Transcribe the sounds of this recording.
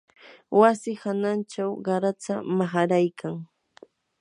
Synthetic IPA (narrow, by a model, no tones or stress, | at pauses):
wasɪhanant͡ʃawɢɑɾat͡samaχaɾajkʰaŋ